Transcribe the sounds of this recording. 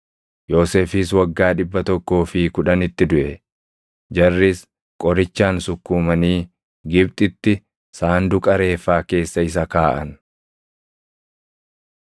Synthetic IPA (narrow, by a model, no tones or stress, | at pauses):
jo̞ːseːfɪswɐɡːaːᶑɪbːɐt̪ɔkːo̞ːfɪkʊᶑɐnɪt̪ːɪd̪ʊʔɛ | d͡ʒɐrːɪs | kʼɔɾɪt͡ʃːaːnsʊkːuːmɐniː | ɡɪb̚t̪ʼɪt̪ːɪ | saːnd̪ʊkʼɐɾe̞ːfːaːke̞ːsːɐɪs̬ɐkaːʔɐn